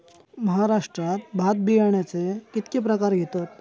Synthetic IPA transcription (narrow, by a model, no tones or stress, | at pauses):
məɦaɾaʂʈɾat̪bʱat̪̚bijaɳjat͡sekit̪kepɾəkaɾɡʱet̪ot̪